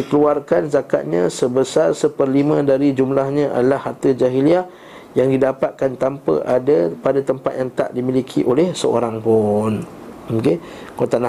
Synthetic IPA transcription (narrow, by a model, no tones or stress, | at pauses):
ikəluarkanzaka̰t̪̚ɲãsəbəsarsəpərlimə̃daɾid͡ʒumlahɲãʔa̰dalahart̪əd͡ʒaɦilia | jaŋdidapat̪̚kant̪ampə̰ʔadapadat̪əmpat̪̚jaŋt̪a̰ʔdimilikʰḭʔolɛhsəo̰ɾaŋpʊn | məmken | kot̪ana